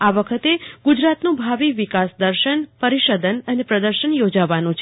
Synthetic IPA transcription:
aʋəkʰət̪eɡud͡ʒɾat̪nũbʱaʋiʋikasd̪əɾʃənpəɾiʃəd̪ənənepɾəd̪əɾʃənjod͡ʒaʋanũt͡ʃʰe

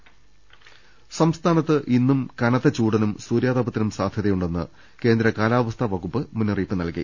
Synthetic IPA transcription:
sɐmst̪ʰaːnɐt̪ːɨʔinːumkɐnɐt̪ːɐt͡ɕuːɽɐnumsuːɾjaːðɐbɐt̪ːinumsaːd̪ʱjɐðɐjuɳɖe̞nːɨ̰ | ke̞ːnd̪ɾɐkaːlaːʋɐst̪ʰɐʋɐɣupːɨmunːuriːpːɨnɐlkḭ

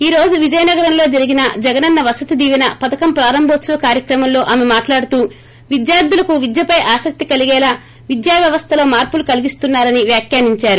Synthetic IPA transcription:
iːɾo̞ːd͡ʒuʋid͡ʒɐjɐnɐɡɐɾɐmlo̞ːd͡ʒɐɾiɡinɐd͡ʒɛɡɐnɐnːɐʋɐsɐt̪id̪iːʋinɐpɐd̪ɐkɐmpɾaːɾɐmbʱoːt̪sɐʋɐkaːɾjɐkɾɐmɐmlo̞ːʔɐmemaːʈlaːɽut̪uː | ʋid̪jaːɾd̪ulɐkuʋid̪jɐpɐjʔaːsɐk̚t̪ikɐliɡɛːlaː | ʋid̪jaːʋjɐʋɐst̪ʰɐlo̞ːmaːɾpulukɐliɡist̪unːaːɾɐniʋjaːkjaːniɲt͡ʃaːɾu

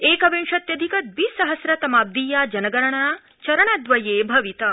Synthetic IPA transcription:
eːkɐʋẽnʃɐt̪jɐd̪ʱikɐt̪̚biːsɐɦɐsɾɐt̪ɐmaːb̚d̪iːjaːd͡ʒɐnɐɡɐɾɐɳ̃a | t͡ʃɐɾɐɳ̃ad̪ʋɐjeːbʱɐʋit̪ɐ

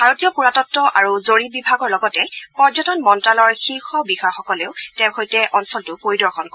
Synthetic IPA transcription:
bʱaɹotijɔpuɹatɔtːɔʔaɹuzoɹibibʱaɡɔɹlɔɡɔtɛpɔɹd͡ʒɔtɔnmɔntalɔɹxiɹxɔbixɔaxɔkɔleʊtɛwxojtɛʔɔnsɔltʊpoɹidɔɹxʰɔnk

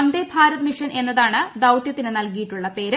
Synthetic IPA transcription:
nd̪ebʱaːɾɐt̪miʂɐne̞nːɐðaːɳɨd̪ɐwt̪jɐt̪ːinɨnɐlkijiʈːuɭːɐpe̞ːɾ

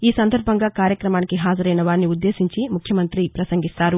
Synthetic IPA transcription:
iːsɐnd̪ʱɐɾbʱɐŋɡaːkaːɾjɐkɾɐmaːnikiɦaːd͡ʒɐɾɐjnɐʋaːɾniud̪ːe̞ːsiɲt͡ʃimukʰjɐmɐnt̪ɾipɾɐsɐŋɡit̪aːɾu

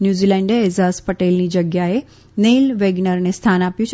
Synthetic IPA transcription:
njuzilɛ̃ɳɖeɛzaspəʈelnid͡ʒəɡjae | nelʋeɡnəɾnest̪ʰanapjũt͡ʃʰ

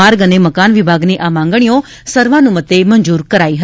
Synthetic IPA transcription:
aɾɡəneməkanʋɪbʱaɡniʔamãŋɡɳ̃ijo | səɾʋanũmət̪ːeməɲd͡ʒuɾkəɾaiɦə

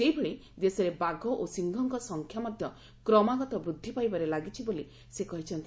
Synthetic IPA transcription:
seɦibʱeɭe | d̪esɔɾebaɡʱɔʔosiŋɡʱɔŋkɔsɔŋkʰjamɔd̪ʱjɔ | kɾɔmaɡɔt̪ɔbɾud̪ʱːipajbaɾelaɡit͡ʃʰiboli | sekɔɦit͡ʃʰɔnt̪i

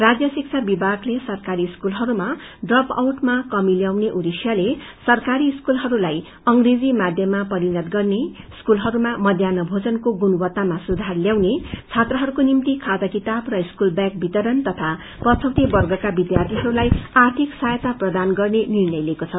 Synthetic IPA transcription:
rad͡zjʌsik̚t͡sʰabibʱaɡlesʌrkaɾiskulɦʌɾuma | ɖrʌpa̰wʈmakʌmiljawneʔuɾisjale | sʌrkaɾiskulɦʌɾulaj | ʌŋred͡zimad̪ʱjʌmapʌɾinʌt̪ɡʌrne | skulɦʌɾumamʌd̪ʱjanʌbʱod͡zʌnkoɡunubʌt̪ːamasud̪ʱarljawnet͡sʰat̪rʌɦʌɾukonimt̪ikʰad̪akit̪abrʌiskulbjak̚bʱit̪ʌɾʌnt̪ʌt̪ʰa | pʌt͡sʰʌwt̪ibʌrɡʌkabid̪jart̪ʰiɦʌɾulajart̪ʰiksajt̪aprʌd̪anɡʌrnenirnʌjlekot͡sʰʌ

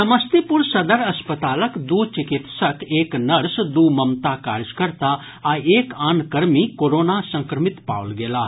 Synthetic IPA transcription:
sɐməst̪ipʊɾsɐd̪əɾɐspət̪aːləkd̪uːt͡ʃɪkɪt̪səkeːknɐɾsd̪uːmɐmt̪aka̰ːɾd͡ʒkəɾt̪aː | aːeːkaːnkəɾmikoːɾoːnasɐ̃ŋkɾəmɪt̪pa̰ːʋəlɡeːlaː

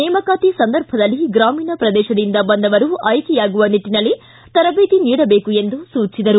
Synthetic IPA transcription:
nɛːmɐkaːt̪isɐnd̪ɐɾbʱɐd̪ɐlːiɡɾaːmiːnɐpɾɐd̪ɛːʃɐd̪ind̪ɐbɐnd̪ɐʋɐɾuʔɐjkɛjaːɡuʋɐniʈːinɐlːi | t̪ɐɾɐbeːt̪iniːɽɐbeːkue̞nd̪usuːt͡ʃid̪ɐɾu

